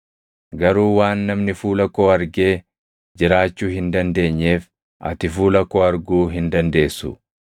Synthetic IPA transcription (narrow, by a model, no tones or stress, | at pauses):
ɡɐɾuːwaːnːɐmnɪfuːlɐkːo̞ːɐɾɡe̞ː | d͡ʒɪɾaːt͡ʃːuːhɪnd̪ɐnd̪e̞ːɲːe̞ːf | ʔɐ̰t̪ɪfuːlɐkːoːɐɾɡuːɦɪnd̪ɐnd̪e̞ːsːʊ̰